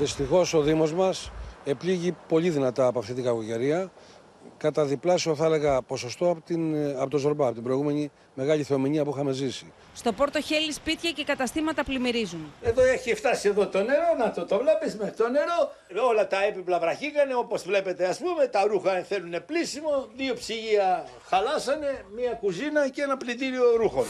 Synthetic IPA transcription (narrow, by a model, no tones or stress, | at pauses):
ðist̪ixo̞so̞ðimo̞zmɐse̞pliʝipo̞ʎiðinɐt̪ɐːpoɐft̪it̪iɡɐkuʝe̞ɾiɐ | kɐt̪ɐðiplɐsio̞θɐele̞ɣɐpo̞so̞st̪o̞ɐt̪iɐpot̪ozo̞ɾbɐɐpo̞t̪ibɾo̞iɣume̞ɲi | me̞ɣɐʎiθeo̞miɲiɐpuixɐme̞zisi | st̪o̞po̞ɾt̪o̞çe̞lispit̪çɐce̞kɐt̪ɐst̪imɐt̪ɐplimiɾizuneðoeçift̪ɐsie̞ðo̞t̪o̞ne̞ɾo̞nɐt̪ot̪ovlepizmet̪o̞ne̞ɾo̞ | o̞lɐt̪ɐepiplɐvɾɐçikɐne̞o̞po̞zvle̞pe̞t̪e̞ɐspume̞t̪ɐɾuxɐθe̞lune̞plisimo̞ðiopsiʝiɐ | xɐlɐsɐne̞miɐkuzinɐcenɐplit̪iɾio̞ɾuxon